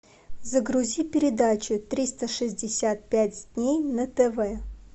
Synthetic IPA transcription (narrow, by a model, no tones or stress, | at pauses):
zəɡɾʊzʲipʲɪɾʲɪd̪at͡ɕʊt̪ɾʲist̪əʂɨzʲdʲɪsʲat̪̚pʲætʲd̪ʲnʲejnət̪ɛvɛ